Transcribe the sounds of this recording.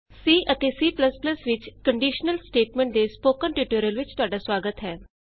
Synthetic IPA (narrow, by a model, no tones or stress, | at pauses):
siːʔət̪eːsiːpləspləsʋɪt͡ʃkəɳɖiːʃnəlsʈeːʈmẽːɳʈ̚d̪eːspoːkənʈiʈoːɾijəlʋɪt͡ʃt̪ʊaːɖaːswaːɡət̪ɦɛː